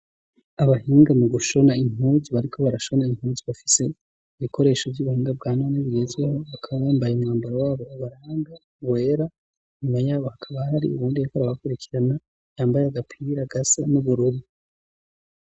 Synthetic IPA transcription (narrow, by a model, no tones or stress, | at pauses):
aβahiːŋɡamuɡuʃo̞naiŋ̥uːziβaɾikʰo̞βaɾaʃo̞naiŋ̥huːziβafi̥se̞ | iβikʰo̞ɾe̞ːʃo̞vjuβuhiːŋɡab̚ɡaːnoːneβiɡe̞zɡweho̞βakʰaβaβaːmbajumŋaːmbaɾawaːβo̞βaɾaːŋɡa | βwe̞ɾa | ɲumajaːβo̞hakʰaβahaɾḭṵβuːndiikoɾaβakuɾikʰiɾana | jaːmbajeaɡapʰiɾaɡasanuβuɾuɾi